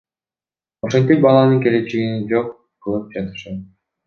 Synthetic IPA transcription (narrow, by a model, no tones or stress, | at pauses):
oʃent̪ik̚bɑlˠɑnɯŋke̞let͡ʃeɡinid͡ʒo̞qːʰ | ɯlˠɯp̚d͡ʒɑt̪ɯ̥ʃɑt̪̚